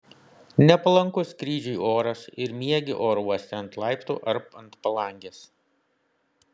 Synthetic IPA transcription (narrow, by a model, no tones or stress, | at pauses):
nʲɛpɐlˠɐŋkʊskɾʲiːʒʲɛɪʔoːɾɐsɪɾmʲiɛɡʲɪʔoːɾɔsʲt̪ʲɛɐnt̪lˠɐˑɪpt̪ṵːʔɐɾpɐnt̪pɐlˠɐˑŋʲɡʲeːs